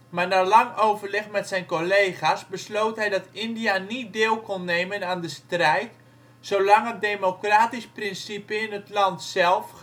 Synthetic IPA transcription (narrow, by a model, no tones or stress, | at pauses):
maːɹnaɹlɑŋowvərlɪχmɛtsɛjnkolejχasbəslowtɦɛjdɑtɪndijanit̚deːlˠkɔnːejmənaːndəstrɛjt | sowlɑŋɦət̚demokraːtisprɪnsipəɪnətlɑntsɛlˠf